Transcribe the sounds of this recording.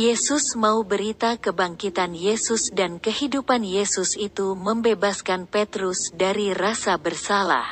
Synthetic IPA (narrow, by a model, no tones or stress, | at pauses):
jesʊsmaubəɾit̪akəbaŋkit̪anjesusdankəhidupanjesusit̪uməmbebaskanpet̪ɾusdaɾirasabərsala̰h